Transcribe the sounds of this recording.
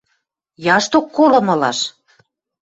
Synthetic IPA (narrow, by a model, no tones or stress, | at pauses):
jɑʃt̪okːolɤ̆mɤ̆lɑ̰ʃ